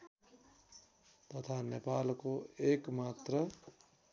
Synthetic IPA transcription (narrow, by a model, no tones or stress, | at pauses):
t̪ʌt̪ʰanepaːlkoekmat̪ɾə